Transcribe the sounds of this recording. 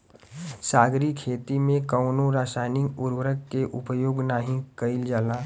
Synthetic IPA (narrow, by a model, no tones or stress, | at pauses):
saːɡɾikʰeːt̪imẽkəʊnoɾaːsaːɪnɪkʊɾwəɾəkːeʔʊpjoːɡnaɦĩkəɪld͡ʒaːlaː